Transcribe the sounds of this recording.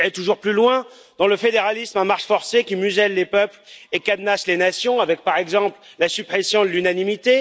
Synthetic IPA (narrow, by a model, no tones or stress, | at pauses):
ɛt̪uʒuʁplylwɛ̃ | d̪ɑ̃ləfed̪eʁalismɛ̃maʁʃfɔʁsekʲimyzɛlːepœplekad̪naslenasjɔ̃avɛk̚paʁɛɡzɑ̃pllasypχesjɔ̃d̪əlynanimit̪e